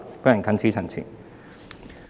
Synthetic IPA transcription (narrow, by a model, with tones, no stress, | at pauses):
pɐ˥jɐ˨˩nkʰɐ˨˥nt͡sʰiː˨˥t͡sʰɐ˨nt͡sʰḭː˨˩n